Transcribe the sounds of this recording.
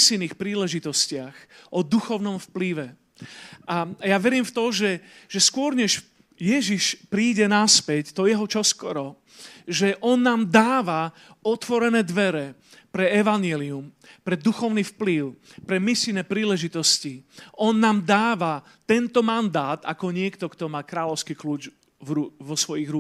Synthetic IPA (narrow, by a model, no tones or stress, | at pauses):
silniːxpɾiːlɛʒit̪ɔscɪaxʔɔd̪uxɔʊnɔmfpliʋɛ | ʔajaʋɛɾiːmft̪ɔʒɛʒ̥ɛskʊɔɾɲɛʃ | jɛʒiʃpɾiːɟɛnaspɛct̪ɔjɛɦɔt͡ʃɔskɔɾɔ | ʒɛʔɔnːaːmd̪aːʋa | ɔt̪ʋɔɾɛnɛːd̪ʋɛɾɛ | pɾɛɛʋaɲɪɛlium | pɾɛd̪uxɔʊniːfpliʊpɾɛmisilnɛːpɾiːlɛʒit̪ɔsciʔɔnːaːmd̪aːʋa | t̪ɛnt̪ɔmand̪aːt̪akɔɲɪɛkt̪ɔkt̪ɔmaːkɾaːlɔʊskiːkluːt͡ʃ | vɾuʋɔsʋɔjiɣɾu